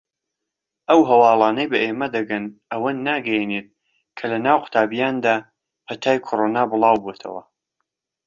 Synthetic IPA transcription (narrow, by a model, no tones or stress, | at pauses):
ʔɐwɦɐwɑːlˠɑːnɐjbɐʔeːmɐd̪ɐɡɐnʔɐwɐnːaːɡɐjeneːt̪̚ | kʰɐlɐnaːwqʊ̥t̪ʰaːbijaːnd̪aː | pɐt̪ʰaːjkʰoɾoːnaːbɨlˠɑːwbot̪ʰɐ̰wɐ̰